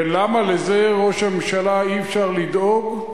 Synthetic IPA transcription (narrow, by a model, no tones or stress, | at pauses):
lamaleze̞ʁo̞ʃhamemʃalaiefʃaʁlid̪oɡ